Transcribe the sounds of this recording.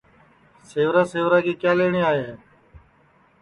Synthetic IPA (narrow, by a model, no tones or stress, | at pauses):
seːʋɾaːseːʋɾaːkeːkjaːleːɳiːaːɦeːɦː